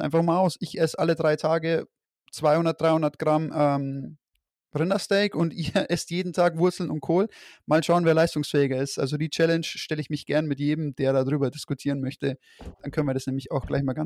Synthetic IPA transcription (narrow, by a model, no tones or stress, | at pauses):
ʔa̰ɪnfaχmaːlaʊsʔɪçʔɛsʔalədʁaɪtʰaːɡə | t͡sv̥aɪhʊndɐtd̥ʁaɪhʊndɐtɡ̥ʁamʔɛm | ʁɪndɐstɛɪkʊntʔiːɐʔɛstjeːdn̩tʰaːkv̥ʊɐt͡sl̩nʊnt̚kʰoːlmaːlʃaʊənveːɐlaɪstʊŋsfɛːɪɡɐɪstʔa̰lzodiːt͡ʃɛlɛnʃʃtɛləɪçmɪçɡ̥ɛɐnmɪtjeːdm̩d̥eːɐɾaːdʁyːbɐdɪskʊtʰiːʁənmœçtə | d̥ankʰœnənviːɐdasnɛːmlɪçaʊxɡ̥laɪçmaːlɡan